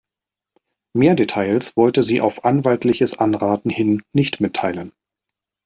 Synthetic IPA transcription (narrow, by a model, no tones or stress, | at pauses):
meːɐdetʰaɪlsv̥ɔltəziːʔa̰ʊfʔanvaltlɪçəsʔanʁaːtn̩hɪnːɪçtmɪtʰːaɪlən